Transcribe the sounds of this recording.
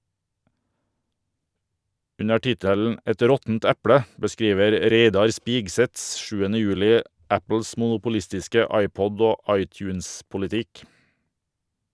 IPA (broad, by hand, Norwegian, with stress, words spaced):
ˈʉnə ˈʈɪtəln̩ ˈɛt ˈɾɔtn̩t ˈɛplə bəˈskɾiːʋəɾ ˈɾeɪdɑɾ ˈspɪɡˌsɛt ˈʃʉːənə ˈjʉːlɪ ˈæpl̩s mʊnʊpʊˈlɪstɪskə ˈɑɪˌpɔd ˈoː ˈɑɪˌtjʉːnspʊlɪˌtɪk